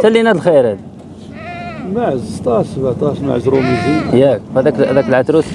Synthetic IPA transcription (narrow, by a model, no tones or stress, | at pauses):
sælːinæd̪əlxeɾæd̪ | maʕəzt̪ˤɑsbat̪ˤɑʃma̰ʕzɾumizijææd̪ækd̪ækəlʕat̪ɾus